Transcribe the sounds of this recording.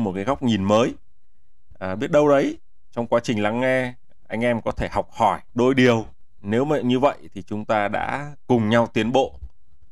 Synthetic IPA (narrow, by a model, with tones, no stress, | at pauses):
mo˨˩t̚kaː˨˦jɣa˦˥wk͡p̚ɲi˨˩nməː˨˦j | ʔɓi˦˥ət̚ɗə˧wɗə˨˦j | t͡ɕɔ˧wŋ͡mkwaː˨˦t͡ɕï˨˩ŋ̟la˨˦ŋːɛ˧ | ʔa˧jŋ̟ʔɛ˧mkɔ˨˦t̪ʰe˧˩ha˨˩wk͡p̚hɔ˧˩jɗo˧jɗi˨˩əw | ne˨˦wma˨ɲɨ˧və̰˧˨jʔt̪ʰi˨˩t͡ɕʊ˨˦ŋ͡mt̪aː˧ɗa̰ː˧˥kʊ˨˩ŋ͡mɲa˧wt̪wi˨˦ənɓo̰˧˨